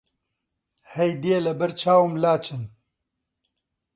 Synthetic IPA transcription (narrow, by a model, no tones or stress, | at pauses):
hɛjd̪ielɐbɐɾt͡ʃʰaːwɨmlaːt͡ʃʰɨn